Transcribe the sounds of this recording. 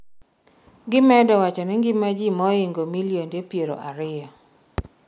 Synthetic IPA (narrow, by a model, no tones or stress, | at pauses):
ɡɪmɛdɔwat͡ʃɔnɪŋɡɪmad͡ʒimɔɪŋɡomilijondepjeɾo̰ʔaɾɪjɔ